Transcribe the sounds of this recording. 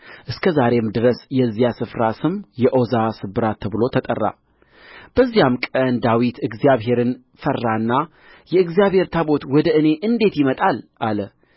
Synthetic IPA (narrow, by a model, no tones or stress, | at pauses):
ʔɨskʰəzaɾe̞md̪ɨɾəsjɛzːijasɨfɾasɨmjɛʔozasɨbɨɾat̪ʰːəβɨlo̞t̪ʰət̪ʼə̰rːa̰ | b̥əzːijamkʼənd̪awit̪ɨɡzijaβɦe̞ɾɨn | fərːanːa | jɛɨɡzijaβhe̞ɾt̪ʰabo̞t̪wɔd̪əɨne̞ʔɨnd̪e̞t̪jɪmət̪ʼalʔalə